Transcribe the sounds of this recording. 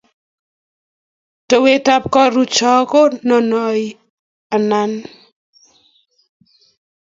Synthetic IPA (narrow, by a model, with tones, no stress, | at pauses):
to˨we˦ta˦p̚kɔ˦ɾu˦t͡ʃɔ˦ko˦nɔ˨nɔ˨j | a˨na˨n